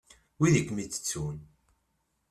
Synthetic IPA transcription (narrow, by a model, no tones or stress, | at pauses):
wiðəkːmit͡sːə̥t͡sːun